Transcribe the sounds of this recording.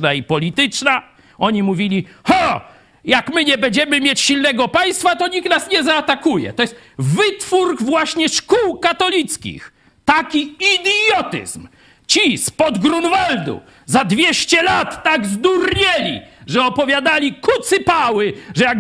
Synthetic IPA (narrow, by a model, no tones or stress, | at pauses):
naipɔlʲit̪ɘt͡ʂna | ɔɲimuvʲilʲihɔ | jakmɘɲɛbɛɲd͡ʑɛmɘmʲjet͡ɕɕilnɛɡɔpaj̃st̪fat̪ɔɲik̪̚nasɲɛzaːt̪akujɛ̰t̪ɔjɛst̪ | vɘt̪fuɾkvwaɕɲɛʂkuwkat̪ɔlʲit̪skʲḭx | t̪akʲiid̪jɔt̪ɨ̰zm | t͡ɕispɔd̪ɡɾunvald̪ṵ | zad̪vʲjɛɕt͡ɕɛlat̪ːaɡzd̪urɲɛlʲḭʐɛɔpɔvʲjad̪alʲikut̪sɨpawɘʐɛjaɡ